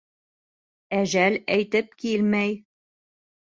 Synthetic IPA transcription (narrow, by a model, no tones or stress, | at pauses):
æʒælæjt̪ɘp̚kilmæj